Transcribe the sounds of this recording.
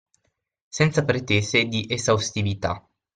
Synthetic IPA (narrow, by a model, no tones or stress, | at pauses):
sent̪sapɾet̪eːzed̪iʔezawst̪ivit̪a̰